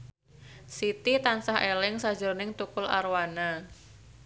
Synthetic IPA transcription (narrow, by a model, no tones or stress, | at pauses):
sit̪it̪ansaɦelɪŋsḁd͡ʒʊrnɪŋt̪ukʊla̰rwana